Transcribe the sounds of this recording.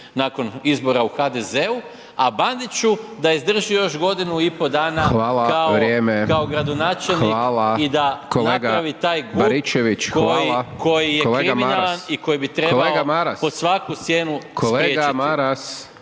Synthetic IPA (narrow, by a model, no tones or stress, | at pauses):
naːko̞nizbo̞ɾauxad̪eze̞u | aband̪it͡ʃud̪aizd̪r̩ʒijo̞ʒɡo̞d̪inuipo̞d̪aːnaʋaːlakaoʋɾjeːmekaoɡɾad̪o̞naːt͡ʃelnxʋiaːlaid̪akolneaɡaaʋit̪aːjɡumaɾit͡ʃeʋit͡ʃkojiko̞jijeleɾiminalaniko̞jibit̪ɾeleaoɡamaɾasposʋakusje̞ːnukʰosleɾeɡat͡ʃimaɾas